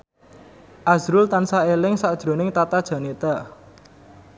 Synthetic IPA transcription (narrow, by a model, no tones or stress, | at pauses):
ʔazɾʊlt̪ansaelɪŋsaʔd̥ʒ̥ɾo̤nɪŋt̪at̪ad̥ʒ̥ä̤net̪a